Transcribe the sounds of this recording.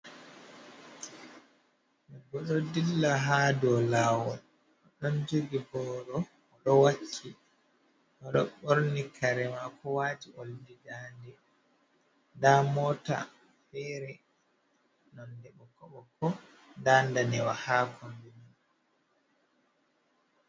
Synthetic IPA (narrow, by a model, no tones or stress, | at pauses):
mɛɡɔɗɔdilːaɦadɔlaːwɔl | ɔɗɔnd͡ʒoɡibɔːɗɔ | ɔɗɔwakʰːi | ʔɔɗɔɓoɾnikʰaɾɛmakʰɔwatiʔoldidandɛ | ndamɔta̰ | fɛɾɛ | nɔndɛɓɔkɔɓɔkɔ | ndandanɛwahaːkɔmbiman